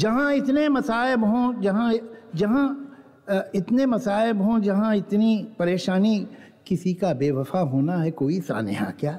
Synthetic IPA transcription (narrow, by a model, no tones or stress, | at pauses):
d͡ʒɐɦãɪt̪nemɐsaːɪbɦõd͡ʒɐɦãd͡ʒɐɦã | ɪt̪nemɐsaːɪbɦõd͡ʒɐɦãɪt̪nipɐɾeːʃaːni | kɪsikabeːʋɐfaɦoːnaɦɛkoːisa̰ːnɪ̰ja̰kjaː